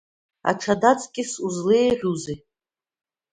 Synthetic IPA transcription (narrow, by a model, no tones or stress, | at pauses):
a̰ʈ͡ʂʰadat͡sʼkʲʼɪsuzleːʁʲʷuzi